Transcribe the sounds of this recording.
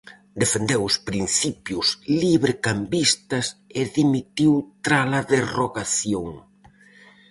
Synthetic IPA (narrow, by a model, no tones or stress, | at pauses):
d̪efend̪ewʊspɾin̟θipjʊsliβɾɪkambist̪ɐsɪðimit̪iwt̪ɾalɐðeroɣaθjoŋ